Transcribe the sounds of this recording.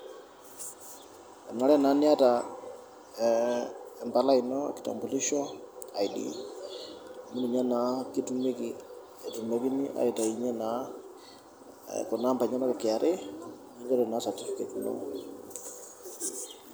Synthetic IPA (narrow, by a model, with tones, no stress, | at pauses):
a˨na˨˦lɛ˦˨na˨˦ni˦a˦ta | ɛ˨mbala˦inɔ̰ki̥˨ta̰˨mbu˨li˦ʃɔ˦a˨jdḭ | mi˦ni˨ɲa˦na˨ki˦tume˦ki | ɛ˨tumeki˦ni˦ʔa̰˨jɛ˨ta˨iɲɛ˦na | kɔ˨na˦mba˨ɲa˦na˦ka˨kɪ˨a˨ɾʔɛ | ɲi˦d͡ʒa˦ɾɛna˦sa˨ti˦fike˨tno̰